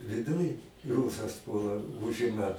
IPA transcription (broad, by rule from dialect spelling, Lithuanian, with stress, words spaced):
ʋʲɪˈdʊj ˈruːsɐs ˈpuɔlˠɐ ˈʊʒʲɪmɐ